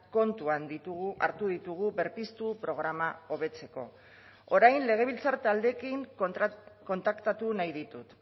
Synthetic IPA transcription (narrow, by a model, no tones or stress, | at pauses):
ko̞nt̪uand̪iua̰ɾt̪uð̞it̪uɣ̞uβe̞ɾpist̪upɾo̞ɣ̞ɾamao̞β̞e̞t͡se̞ko̞̰ | o̞ɾajnle̞ɣ̞e̞β̞ilt͡saɾt̪ald̪e̞kiŋ | ko̞nt̪akt̪at̪unajðit̪ut̪